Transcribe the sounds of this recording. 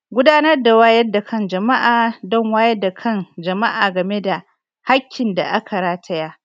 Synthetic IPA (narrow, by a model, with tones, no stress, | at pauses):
ɡʷʊ˦daː˦nɐ˦rda˨waː˦jɐ˦rda˨kʰɐ˦nd͡ʒɐ˨ma˦ʔaː˨dɔ˦ŋwaː˦jɐ˦da˨kʰɐ˦nd͡ʒɐ˨ma˦ʔaː˨ɡɐ˨me˦da˨ | ha˦kʲʰːɪ˨nda̰˨ʔa˦kʰa˨ɽaː˦tʰɐ˦jaː˦